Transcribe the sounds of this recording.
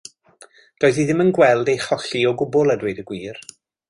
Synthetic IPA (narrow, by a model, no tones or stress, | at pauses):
d̥oːɨðiðɪmənɡwɛlˠdejχɔɬiɔɡʊbʊlˠadwejdəɡwiːr